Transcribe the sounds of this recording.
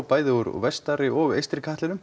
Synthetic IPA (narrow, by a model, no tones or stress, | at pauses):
wpaːjðɪuɾɔ̰vɛst̪aɾɪʔɔɣḛjst̪ɾkʰaht̪lɪnʏm